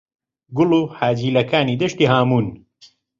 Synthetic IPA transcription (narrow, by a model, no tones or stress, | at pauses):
ɡʊluːħaːd͡ʒiːlɐkaːniːd̪ɐʃt̪iːɦaːmuːn